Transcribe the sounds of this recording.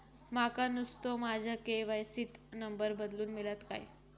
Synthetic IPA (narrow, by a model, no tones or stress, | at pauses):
makanust̪omad͡ʑʱakeʋajsit̪nəmbəɾbəd̪luːnmilat̪ka̰j